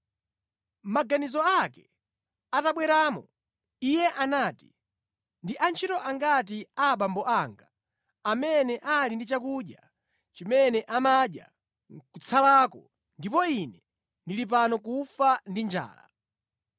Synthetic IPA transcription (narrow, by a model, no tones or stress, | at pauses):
maɡanizɔakɛ | ataɓwɛɾaːmɔ | ijɛʔanaːti̥ | ndiʔant͡ʃʰitɔʔaŋɡat̬iaɓambɔʔaŋɡa | amɛnɛʔalindit͡ʃakuɗja | t͡ʃimɛnɛʔamaɗja̰ | kut͡sʰalaːkɔ | ndipɔinɛ | ndilip̬anɔkufandind͡ʒa̰ːla̰